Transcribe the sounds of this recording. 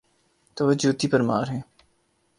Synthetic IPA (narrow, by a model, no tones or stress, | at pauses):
t̪oːʋod͡ʒuːt̪iːpɐɾma̰ːɾɦɛ̃ː